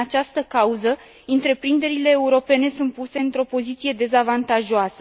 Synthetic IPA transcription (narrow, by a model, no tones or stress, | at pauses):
at͡ʃast̪əkauzə | ɨnt̪ɾe̞pɾind̪e̞ɾile̞ːuɾo̞pe̞ne̞sunt̪̚puse̞ɨnt̪ɾo̞po̞zit̪sije̞d̪e̞zavant̪aʒoasə